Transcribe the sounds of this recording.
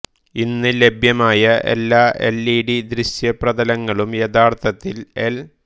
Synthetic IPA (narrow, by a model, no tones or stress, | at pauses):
inːɨle̞bʱjɐmaːjɐʔe̞̰lːaːʔḛlːiːɽid̪ɾiɕjɐprɐðɐlɐŋːɐɭumjet̪aːrt̪ʰɐt̪ːile̞l